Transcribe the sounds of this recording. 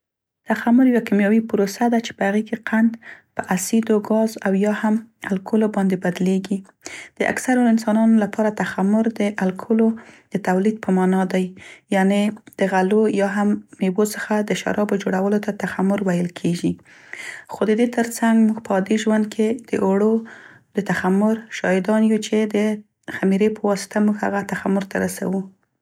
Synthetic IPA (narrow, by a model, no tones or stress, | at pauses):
t̪axamʊɾjwakimjɑwipʊɾosad̪at͡ʃe̥pəhaɣekeqand̪pəʔasid̪oɡɑzawjɑhamalkʰʊlobɑnd̪ebad̪leɡi | d̪̥əʔa̰ksaɾoɪnsɑnɑnolapʰɑɾat̪axamʊɾd̪əʔalkʰʊlod̪̥ət̪awlid̪̚pəmɑnɑd̪ajːɑned̪̥əɣalojɑɦamːebot͡səxad̪əʃa̰ɾʔɑbod͡ʒoɽawəlot̪at̪axamʊɾwajəlkʰeʒi | xod̪əd̪et̪əɾt͡saŋɡmuɡpəɑd̪iʒwand̪̚kʰed̪̥əʔoɽo | d̪̥ət̪axamʊɾʃɑjɪd̪ɑnjut͡ʃed̪ə | xamiɾepʰəwɑsɪ̥t̪ʰamuɡha̰ɣat̪axamʊɾt̪ʰaɾasa̰wu